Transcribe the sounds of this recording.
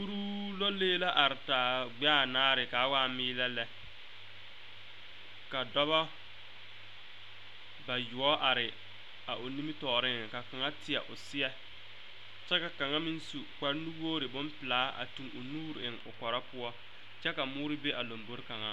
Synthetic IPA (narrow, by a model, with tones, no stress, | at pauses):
u˦ɾu˦lo˦leː˦la˦ʔa˨ɾɪ˨taː˨ɡ͡ba˦˨naː˦ɾɪ˨kaː˨˦waː˦miː˦lɛ˦lɛ˦ | ka˨dɔ˦ba˦ | ba˨jʊ˨ɔ˦ʔa˨ɾɪ˨ | a˨ʔo˨ni˦mi˦tɔː˨ɾɪ˦ŋ˨ka˨ka˨ŋa˦tɪ˨ɛ̰˨ʔʊ˨sɪ˦ɛ˦ | t͡ʃɛ˦ka˨ka˨ŋa˦mi˦nsu˨k͡pa˦ɾnu˦woː˦ɾɪ˨bʊ˦mpɪ˨laː˨˦a̰˨tu˨ŋʊ˨nuː˦ɾɪ˨ŋʊ̰˨kɔ˨ɾa˦pʊ˦ɔ˦ | t͡ʃɛ˦ka˨mʊː˦ɾɪ˦be˦ʔa˨lo˨mbo˦ɾka˨ŋa˦